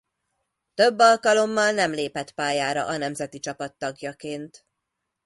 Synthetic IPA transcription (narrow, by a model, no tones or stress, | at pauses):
t̪ø̞bːɒlkɒlo̞mːɒlnɛmleːpɛt̪paːjaːɾɒ̰ʔɒnɛmzɛt̪it͡ʃɒpɒt̪ːɒɡjɒkeːnt̪